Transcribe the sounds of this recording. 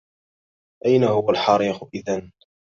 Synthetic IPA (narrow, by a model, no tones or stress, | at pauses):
ʔajnahʊwalħɑːɾiːxʊʔɪðan